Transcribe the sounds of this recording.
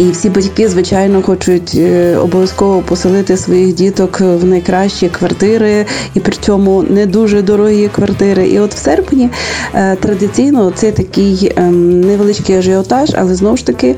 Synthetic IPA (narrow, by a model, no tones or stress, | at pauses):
iwsʲibɐtʲkɪzʋɪt͡ʃɑjnɔxɔt͡ʃʊtʲɔ̰bɔʋʲjɐskɔʋɔpɔsɪlˠɪt̪ɪsʋɔjixdʲit̪ɔkwnɐjkɾɑʃt͡ʃikʋɐrt̪ɪɾɪipɾɪt͡sʲɔmʊnɛd̪uʒɛd̪ɔɾɔɦikʋɐrt̪ɪɾɪʔḭɔt̪w̥sɛrpnʲit̪ɾɐd̪ɪt͡sʲijnɔt̪sɛt̪ɐkɪjnɛʋelˠɪt͡ʃʲkɪjɐʒɪɔt̪ɑʒɐ̰lˠɛznɔwʊʃt̪ɐkɪ